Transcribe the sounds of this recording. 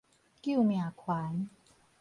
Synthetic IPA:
ki˦˥˩mja˨˩kʰwaː˨˦n

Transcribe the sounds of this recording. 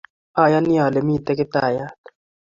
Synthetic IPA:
a˨ja˦ni˦a˨le˨mi˦˨t̪ɛ˦kɪ˦t̪a˦˨ja˦t

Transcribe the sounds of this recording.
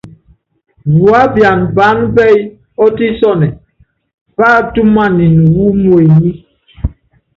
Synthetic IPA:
wu˨a˦bja˨nba˨˦nbɛ˦j | ɔ˦ti˦sɔ˦˨nɛ˨ | pa˦˨tu˦ma˦˨ni˨nu˨wu˦mwe˨ji˦

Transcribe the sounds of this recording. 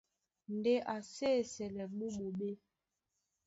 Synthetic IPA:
n̩˨de˦ʔa˨se˦˨sɛ˨lɛ˨ɓu˦ɓo˨ɓe˦

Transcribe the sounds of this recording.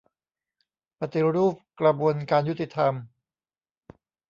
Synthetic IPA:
pa˧t̪i˨˩ɾuː˥˩p̚kɾa˧bu˧ənkaː˧nju˦˥t̪ːi˨˩t̪ʰa˧m

